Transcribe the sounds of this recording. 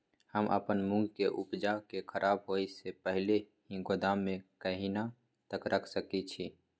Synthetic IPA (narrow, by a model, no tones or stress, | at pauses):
həmʔə̰pənmʊ̃ŋɡʱkeʔʊpd͡ʒakekʰəɾʔaːbɦoːisepəɦle | ɦĩɡod̪aːmːẽkəɦina | t̪əkɾʔəkʰsəkit͡ʃʰiː